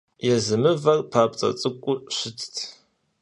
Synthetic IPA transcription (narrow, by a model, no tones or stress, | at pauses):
jɛzɨmɨvɐrpʰaːp̚ʼt͡sʼɐ̰t͡sʼɨkʷʼʊɕɪtʰtʰ